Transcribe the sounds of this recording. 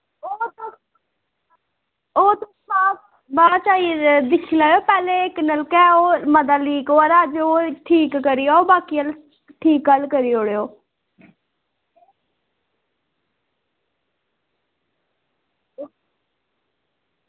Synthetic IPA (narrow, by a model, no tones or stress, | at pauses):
oːt̪o | oːt̪o | aː | baːt͡ʃaːid̪ɪkʰilaːjoːpɛːleːɪknəlkɛːoːməd̪aːliːkoːəɾad͡ʒoːʈʰiːkːəɾijaːoːbaːkiːəl | ʈʰiːkɡəlkəɾijoɽeoː